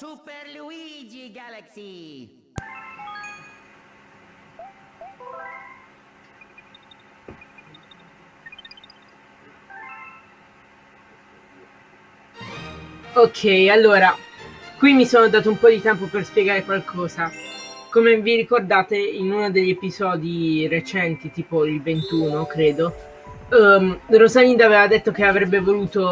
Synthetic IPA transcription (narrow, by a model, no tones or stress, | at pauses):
supeɾluid͡ʒiɡalasi | okʰːɛjalːoːɾakwimːisoːnod̪aːt̪oumpɔd̪it̪ɛmpoperspjeɡaːɾekwalkʰɔːzakomeviɾikord̪aːt̪einunod̪eʎːepizɔːd̪iret͡ʃɛnt̪it̪iːpoilvent̪uːnokɾeːd̪o | rozalind̪aveːvad̪et̪ːok̟eavɾɛbːevoluːt̪o